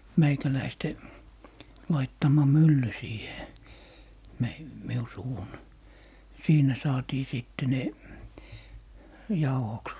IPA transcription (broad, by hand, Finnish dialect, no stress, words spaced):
meikælæiste lɑitːɑmɑ mylːy siːhe mei miu suwun siːnæ sɑːtiː siˑtːe ne jɑuhoks